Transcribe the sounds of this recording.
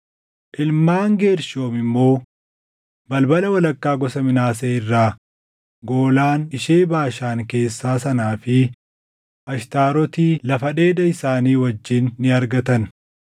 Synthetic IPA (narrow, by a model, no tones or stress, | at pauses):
ʔɪlmaːŋɡe̞ːɾʃo̞ːmɪmːo̞ː | bɐlbɐlɐwɐlɐkːaːɡɔsɐmɪnaːseːɪrːaː | ɡo̞ːlaːnɪʃeːbaːʃaːŋke̞ːsːaːsɐnaːfɪ | ʔɐʃt̪aːɾɔt̪iːlɐfɐᶑe̞ːd̪ɐɪsaːniːwɐd͡ʒːɪnːɪɐɾɡɐt̪ɐn